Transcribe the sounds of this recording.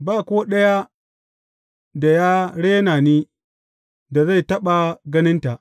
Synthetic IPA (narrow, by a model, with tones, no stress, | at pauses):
baː˦˨koː˦ɗɐ˦ja˦ | da˨ja˦ɽe˦na˨niː˦ | da˨za˦˨jtɐ˦ɓa˨ɡɐ˦nɪ˦nta˨ʔ